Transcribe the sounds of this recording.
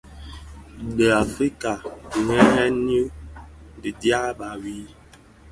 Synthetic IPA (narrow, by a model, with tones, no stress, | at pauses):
bə˨a˨fɾi˦ka˨ŋɛ˦ɦɛ˦n˦u˦di˨dja˦ba˨wi˦